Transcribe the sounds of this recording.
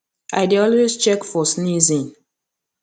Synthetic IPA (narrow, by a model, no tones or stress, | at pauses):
a̰ɪdiɔlwezt͡ʃɛkfɔsnizĩn